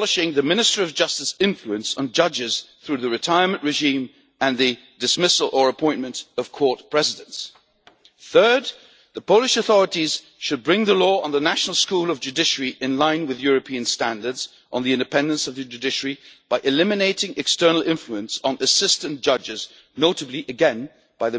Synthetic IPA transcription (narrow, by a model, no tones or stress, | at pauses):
lˠɨʃɪ̃ŋðɨmɪ̃nɨstəɹiʌvd͡ʒʌstɨsɪ̃ɱfluɨ̃nsn̩d͡ʒʌd͡ʒɪz̥θɹʉðɨɹɨtʰaɪə˞mɨ̃nʔɹɨʒĩm | ɨ̃nðɨ | dɨsmɪsl̩ˠə˞əpʰɔ̃ɪ̃nmɨ̃ntʌv̥kʰɔɹt̚pʰɹ̥ɛzɨɾɨ̃nts | θɜ˞d̪̚ | ðəpʰoʊlɨʃɨθɔɹɨɾiz̥ | ʃɨd̚bɹɪ̃ŋðəlɔə̃nðənæʃnl̩ˠskulˠʌvd͡ʒʉdɪʃəɹiʔɨ̃nlãɪ̃nwɨðjʊɹɨpʰĩɨ̃nstæ̃ndə˞dz | ʔn̩ðiɪ̃ndɨpʰɛ̃ndɨ̃nsʌvðɨd͡ʒʉdɪʃə˞ib̥aɪʔɨlɪ̃mɨneɪɾɪ̃ŋʔɨkstɜ˞nl̩ˠɪ̃ɱfluɨ̃nsn̩ɨsɪstɨ̃nd̥ʒ̥ʌd͡ʒɨɪz | noʊɾɨbliʔɨɡɛ̃n | b̥aɪðɨ